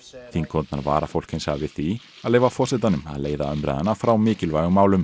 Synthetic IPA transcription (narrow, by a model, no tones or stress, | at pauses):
θinkʰɔnt̪naɾva̰ːɾafowl̥khɪnsa̰vɪðθi | aðleːjvafɔr̥sɛt̪anʏma̰ðleːjðaœmɾɛ̰ðanafɾawmɪːcɪlvaːjɣʏmaːwlʏm